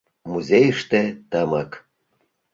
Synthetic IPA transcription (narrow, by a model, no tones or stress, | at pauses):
muzʲejəʃt̪et̪əmək